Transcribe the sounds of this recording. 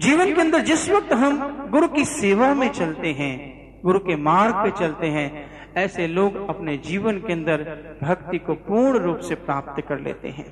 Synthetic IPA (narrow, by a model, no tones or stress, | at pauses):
d͡ʒiːʋənkeɐ̃nd̪əɾd͡ʒɪsʋək̚t̪ɦɐmɡʊɾukiseːʋamẽt͡ʃɐlt̪eɦɛ̃ː | ɡʊɾukemaːɾɡ̚pẽt͡ʃɐlt̪eɦɛ̃ | ɛːseloːɡɐpned͡ʒiːʋənkeɐ̃nd̪əɾbʱɐkt̪ikopuːɳɾuːpsepɾaːp̚t̪kɐɾlḛːt̪ḛɦɛ̰̃ː